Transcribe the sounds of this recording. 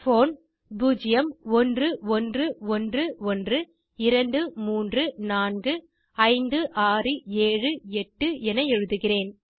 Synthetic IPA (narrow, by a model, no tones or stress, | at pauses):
foːn | buːd͡ʒɪjɐmɔndrɯɔndrɯɔndrɯɔndrɯ | ɪɾɐɳɖɯmuːndrɯnaːnɡɯ | ɐɪnd̪ɯʔaːrɯeːɻɯɛʈːɯʔɛnɐɛɻɯðɯɣɪreːn